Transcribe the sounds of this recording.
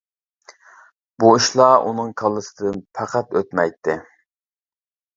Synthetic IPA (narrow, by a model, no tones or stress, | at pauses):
b̥uiʃlˠɑʔṵnɨŋkʰɑlˠːɨsɨd̪ɨnpʰæqæt̪øt̪mɛjt̪ʰːɪ